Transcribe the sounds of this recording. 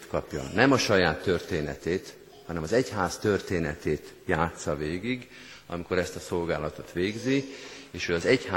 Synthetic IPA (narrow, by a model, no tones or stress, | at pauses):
t̪kɒpjɒ̰nɛmɒʃɒjaːt̪ːø̞rt̪eːnɛ̰t̪eːt̪ | hɒnɛmɒzɛchaːst̪ørt̪eːnɛt̪eːt̪jaːt̪sɒveːɡiɡ | ɒ̰miko̞ɾɛst̪ɒso̞lɡaːlɒt̪o̞t̪ʋeːɡzieːʃøɒzɛcha